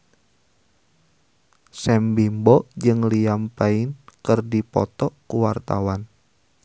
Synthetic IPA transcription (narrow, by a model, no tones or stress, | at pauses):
sɛmbimbɔʔd͡ʒɨŋliampaɪnkɨrdipɔ̰t̪ɔʔkuwart̪a̰wan